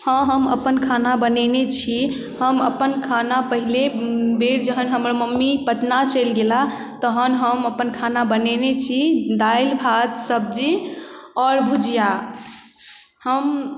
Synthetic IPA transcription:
hə̃ɦəmə̰pənkʰanabənenet͡ʃʰi | həmə̰pənkʰanapəɦilebeɾd͡ʒəɦənɦəmɾməmːipəʈnat͡ʃəlɡela | t̪əɦənɦəməpənkʰanabənenet͡ʃʰid̪ailbʱat̪səb̚d͡ʒi | ɔːɾbʱud͡ʒija | həm

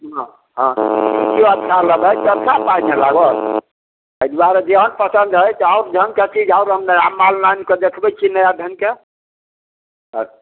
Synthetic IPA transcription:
ɦə̃ | ɦə̃ikioəd̪ʱikʰaləbəjt͡ʃəɾt͡ʃʰapanelaɡɔ | əd̪waɾed͡ʒeɦənpəsənd̪ɦəjt̪aʊɾd͡ʒʱənket͡ʃid͡ʒaʊɾɦəmneɾamːalnanked̪ekʰbɛt͡ʃʰinəjad̪ʱənke

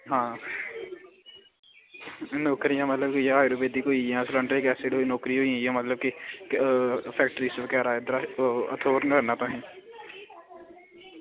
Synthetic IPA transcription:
ɦãː | nɔːkɾiãːmət̪ləbkejãaːjɾoːbeːd̪iːkoːijãːslə̃ɳɖɾeːkɛːsɪɽɦoinɔːkɾiɦoːĩjãːmət̪ləbke | pʰɛːk̚ʈɾiːsəʋkɛːɾaːed̪əɾaə̰t̪ʰoːɾnkəɾnaːt̪õɦɛ̃ː

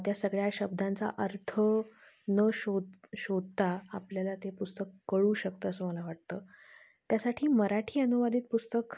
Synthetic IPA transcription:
t̪jasəɡɭjaɕəb̚d̪ʱant͡sa̰ʔəɾt̪ʰə | nəɕod̪ɕod̪̚t̪aapljalat̪epust̪əkːəɭuːɕək̚t̪əːəsəːməlaʋaʈ̚t̪əː | t̪jasaʈʰiːməɾaʈʰiːənuʋad̪ʱiːt̪̚pust̪ək

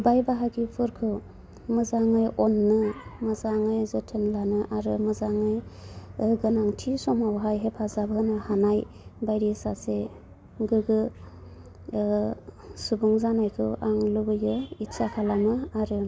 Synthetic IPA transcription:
bajbaɦaɡipʰɯɾkʰɯw | mɯzaŋɯjʔɔnːɯmɯzaŋɯjzɔtʰɯnlanɯʔaɾɯmɯzaŋɯj | ɡɯnaŋtʰisɔmawɦajɦepʰazabɦɯnɯhanaj | bajɾisase | ɡɯɡɯ | subuŋzanajkʰɯwʔaŋlɯbɯjɯisakʰalamɯaɾɯ

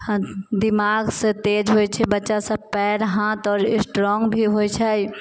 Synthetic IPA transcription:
d̪imaɡsə̃t̪ed͡ʒɦojt͡ʃʰɛbətːʃasəpɛɾɦãt̪ɔːɾsʈɾɔŋɡbʱiɦojt͡ʃʰɛj

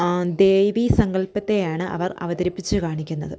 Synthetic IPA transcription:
d̪e̞ːʋisɐŋɡɐlpɐt̪ːe̞jaːɳɨʔɐ̰ʋɐrɐ̰ʋɐðɐɾipːit͡ɕːɨkaːɳikʲːunːɐðɨ

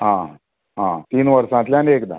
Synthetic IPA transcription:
ɦã | ɦãt̪iːnʋəɾsãt̪ljanekd̪a̰

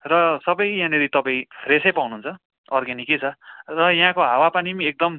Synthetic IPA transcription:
rʌsʌbʌjjãneɾit̪ʌpaĩpʰresʌjpawnuːnt͡sʰʌ | ʌrɡaniket͡sʰʌrʌjɦãkoɦawapanimĩek̚d̪ʌm

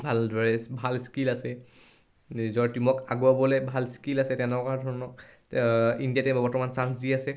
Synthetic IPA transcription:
bʱaldʱɔɹɛbʱalskilasɛ | izɔɹtimɔkaɡuabɔlɛbʱalskilasɛtɛnɔkadʱɔɹɔnɔ | indijatɛbɔɹtɔmansans̬diasɛ

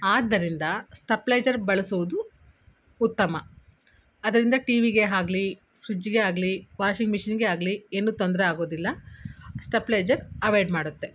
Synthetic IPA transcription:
aːd̪ːɐɾind̪ɐsʈɐpːleːd͡ʒɐɾbɐɭɐsuʋud̪uː | t̪ːɐmɐ | ɐd̪ɐɾind̪ɐʈiːʋiɡe̞ɦaːɡli | fɾid͡ʒiɡe̞aːɡliʋaːʃiŋɡmiʂɐnɡe̞aːɡlienːuːt̪ond̪ɐɾeaːɡo̞ːd̪ilːɐsʈɐpleːd͡ʒɐɾɐʋeːɖmaːɽut̪ːe̞

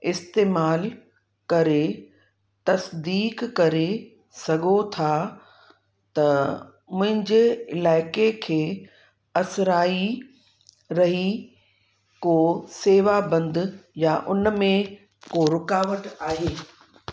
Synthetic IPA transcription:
ɪst̪eːmaːl | kɐɾe | t̪ɐsd̪iːkkɐɾe | sɐɡʱot̪ʰa | t̪ɐ | mʊ̃ɦɪ̃ɲd͡ʑeɪlaːɪkekʰeː | ɐsɾaːi | ɾɐɦi | koːseːʋabɐ̃nd̪jaʔʊnmẽ | koɾʊkaːʋəʈaːɦeː

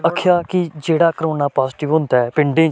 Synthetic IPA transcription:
əkʰjaːkɪd͡ʒeːɽaːkəɾoːnaːpaːsɪːʈɪʋɦʊ̃nd̪aɛpɪ̃ɳɖẽː

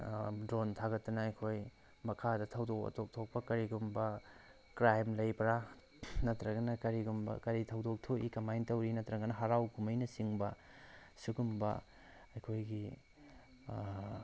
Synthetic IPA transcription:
dɾontʰaɡɐtːɐnɐːjkʰoj | mɐkʰadɐtʰɐwdokɐ̰tʰok̚tʰok̚pɐkɐɾiɡumbɐ | kɾajmlɐjpɐɾa | nɐtɾɐɡɐnɐkɐɾiɡumbɐ̰kɐɾitʰɐwdok̚tʰoikɐmajntɐwɾinɐtɾɐɡɐnɐɦɐɾawkumɐjnɐsiŋbɐ | suɡumbɐ̰ | ɐjkʰojɡi

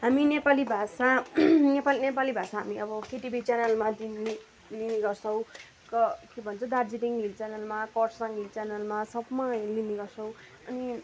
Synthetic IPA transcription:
ɦaminepalibʱasanepalinepalibʱasaɦamiʌbʌkeʈibʱit͡sanʌlmadini | liniɡʌrt͡sʰʌw̃ | kʌkebʱʌnt͡sʰʌd̪ard͡ziʈiŋɦilt͡sanʌlmakʌrsãŋɡilt͡sanʌlmasʌbmaliniɡʌrt͡sʰʌ̃w̃ | ʌni

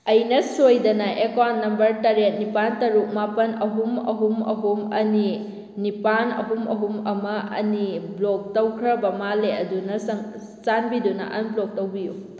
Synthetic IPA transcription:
ɐjnɐsojdɐnɐʔekanːɐmbɐɾtɐɾet̚nipantɐɾuk̚mapɐnɐɦumɐ̰ɦumɐ̰ɦumɐni | nipanɐ̰ɦumɐ̰ɦumɐmɐʔɐ̰niblok̚tɐwkʰɾɐbɐmaleɐdunɐsɐŋ | sanbidunɐ̰ʔɐnblok̚tɐwbiju

